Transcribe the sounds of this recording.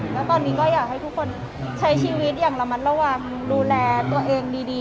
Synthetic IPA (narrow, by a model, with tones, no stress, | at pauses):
lɛː˦˥wt̪ɔː˧nːiː˦˥kɔː˥˩jaː˨˩k̚ha˥˩jt̪ʰu˦˥kʰːo˧n | t͡ɕʰa˦˥jt͡ɕʰiː˧˩wi˦˥t̪̚jaː˨˩ŋɾa˧ma˦˥ɾa˧waː˨˩ŋ | duː˧lɛː˧t̪u˧ɐʔeː˧ŋdiː˧diː˧